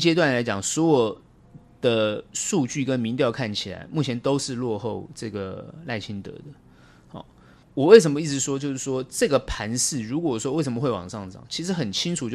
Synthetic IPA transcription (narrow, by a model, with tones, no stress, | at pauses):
t͡ɕjɛ˥t̪wa˥˩nla˧˥ɪt͡ɕjɑ˨˩ŋswɔ˧˥jɔ˨˩ | d̪̥ə˧ʂu˥˧t͡ɕy˥˩kə˦˥nmi˧˥ŋt̪jɑ˥˧ʊkʰa˥˩nt͡ɕʰi˨˩la̰˧˥˦ɪmu˥˩t͡ɕʰjɛ˧˥nt̪o˥ʊʂɻ̩˥˧lwɔ˥˧xo˥˧ʊʈ͡ʂɤ˥˩ɡə˩la˥˩ɪt͡ɕʰi˥nt̪ɤ̰˧˦d̪ə˨ | hɑ̰˥˩ | wɔ˨˩we˥˩ɪʂ̬ə˧˥mə˧i˥˩ɻ̩˧˥ʂwɔ˥t͡ɕjo˥˧ʊʂɻ̩˥˩ʂwɔ˥ʈ͡ʂɤ˥˩ɡə˩pʰa˧˥nʂɻɹ̩˥˩ɻu˧˥kwɔ˨˩wɔ˥wɪʂə˧˥mə˧xwe˥˩ɪwɑ̰˨˩ŋʂɑ˥˧ŋʂɑ̰˨˩˦ŋt͡ɕʰi˧˥ʂ̬̩˧˥xə˨˩nt͡ɕʰi˥ŋʈ͡ʂʰu˨˩t͡ɕjo˥